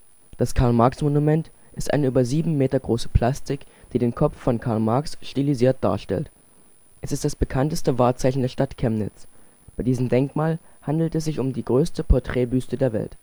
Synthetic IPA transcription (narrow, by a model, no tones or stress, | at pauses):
d̥askʰaɐlmaɐksmonumɛnt | ʔɪstʔa̰ɪnəyːbɐziːbm̩meːtɐɡʁoːsə̥pʰl̥astɪkd̥iːdeːnkʰɔfːɔnkʰaɐlmaɐksʃtiliziːɐt̚d̥a̰ːɐʃtɛ̰lt | ʔɛsɪstd̥asb̥əkʰantəstəvaːɐt͡saɪçn̩deːɐʃtatkʰɛmnɪ̰t͡s | b̥aɪdiːzəmdɛŋkmaːlhandl̩tɛs̬z̥ɪçʊmdiːɡʁøːstəpʰɔɐtʁ̥ɛːbyːstədeːɐvɛ̰lt